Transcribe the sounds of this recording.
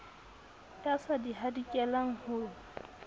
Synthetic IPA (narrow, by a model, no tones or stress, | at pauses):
tʼasadiɦadikʼɛlaŋ̩hʊ